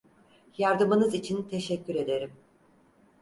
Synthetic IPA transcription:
jaɾd̪ɯmɯnɯzit͡ʃʰint̪ʰe̞ʃɛcːyɾe̞d̪e̞ɾim

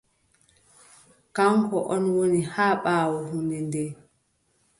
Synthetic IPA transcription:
kaŋkɔʔɔnwonihaːɓaːwɔhunɛndɛ

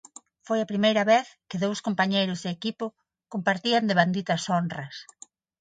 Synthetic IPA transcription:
fojɐpɾimejɾɐβeθkɪðowskompaɲejɾʊzðɪekipʊ | kompaɾt̪iɐnd̪eβand̪it̪ɐsonrɐs

